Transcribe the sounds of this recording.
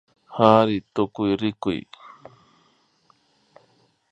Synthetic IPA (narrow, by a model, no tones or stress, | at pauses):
haɾit̪ukuiɾikuḭ